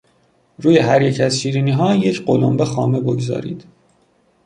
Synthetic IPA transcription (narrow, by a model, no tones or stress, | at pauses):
ɾuːje̞ɦæɾje̞cʰæzʃiːɾiːniːɦɒːje̞cʰɢolombe̞xɒːme̞bo̞ɡzɒ̰ːɾḭːd̪̥